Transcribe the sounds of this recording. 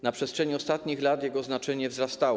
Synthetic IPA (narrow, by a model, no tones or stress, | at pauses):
napʂɛst̪ʂɛɲiɔst̪at̪ɲixlat̪jɛɡɔznat͡ʂɛɲɛvzɾast̪aw